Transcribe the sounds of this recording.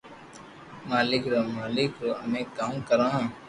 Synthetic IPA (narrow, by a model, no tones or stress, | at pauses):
maːlɪkɾoːmaːlɪkɾoːəmẽːkaːũːkəɾãːɦ